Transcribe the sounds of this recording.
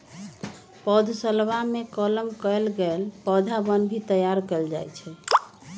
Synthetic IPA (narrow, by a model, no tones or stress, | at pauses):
pəd̪ʱsəlbamekələmkəelɡelpəd̪ʱabənbʱit̪əjaɾkəeld͡ʒa̰jt͡ʃʰɛ